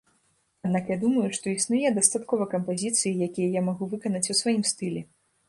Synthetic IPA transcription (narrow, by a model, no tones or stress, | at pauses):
ad̪nakjad̪umɐjuʂt̪ɔisnujɛd̪ɐst̪at̪kɔvɐkɐmpazʲit̪sɨjijakʲijɐjamaɣuvɨkɐnɐt͡sʲusvajimst̪ɨlʲɛ